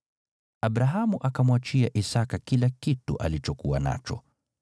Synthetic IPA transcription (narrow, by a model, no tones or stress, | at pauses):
abɾaɦamuʔakamwat͡ʃiaʔisakakilakitṵʔalit͡ʃɔkuwa̰na̰t͡ʃɔ̰